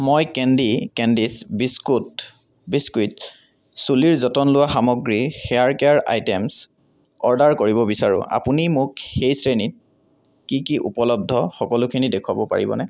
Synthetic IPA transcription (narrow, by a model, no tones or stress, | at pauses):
mojkɛndikɛndisbiskut | biskwit | suliɹzɔtɔnlʊwaxamɔɡɹixɛjaɹkɛaɹa̰jtems | ɔɹdaɹkoɹibɔbisaɹʊ̰̃ʔa̰punimʊkxejsɹenit̚ | kikiʔṵpɔlɔb̚dʱɔxɔkɔlʊkʰinidekʰwabɔpa̰ɹḭbɔ̰nɛ